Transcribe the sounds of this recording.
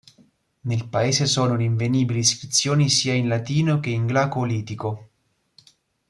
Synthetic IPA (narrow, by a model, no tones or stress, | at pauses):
nelpaeːzesɔːnoleiɱveniːbiliskɾit̪sːjoːnisiːainlat̪iːnok̟eiŋɡlakoliːt̪iko